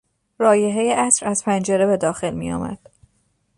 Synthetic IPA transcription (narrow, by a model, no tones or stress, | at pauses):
ɾɒːjeɦe̞jeʔæsɾæz̥pʰænd͡ʒe̞ɾe̞be̞d̪ɒːxe̞lmḭjɒ̰ːmæ̰d̪̥